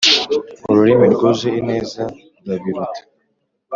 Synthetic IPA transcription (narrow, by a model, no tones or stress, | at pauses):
uɾuɾimiɾɡozeineːza | daβiɾutʰḁ